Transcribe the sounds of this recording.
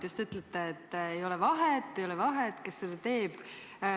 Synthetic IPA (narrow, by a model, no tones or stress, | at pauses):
just̪yt̪ˑlet̪ːˑɑet̪ːejo̞lɛvɑɦet̪ːejolɛvɑɦet̪ːkesːet̪e̞ːb̥